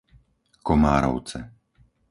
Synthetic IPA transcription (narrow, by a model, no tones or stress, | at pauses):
kɔmaːɾɔ̰ʊt͡sɛ